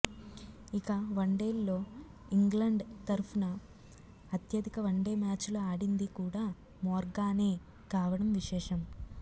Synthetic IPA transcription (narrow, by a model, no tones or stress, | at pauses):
ikɐʋɐɳɖeːlːo̞ː | iŋɡlɐɳɖt̪ɐɾpʰunɐː | t̪jɐd̪ʱikɐʋɐɳɖeːmaːt͡ʃloaːɽind̪ikuːɽaː | mɔːɾɡaːneː | kaːʋɐɽɐmʋiʃɛːʂɐm